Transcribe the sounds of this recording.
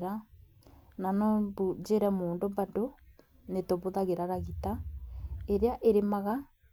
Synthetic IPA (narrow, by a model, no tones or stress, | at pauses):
ɾa | nanɔbud͡ʒeɾɛmoːndombando | netɔβoðaɣeɾaɾaɣita | eɾeaʔeɾemaɣa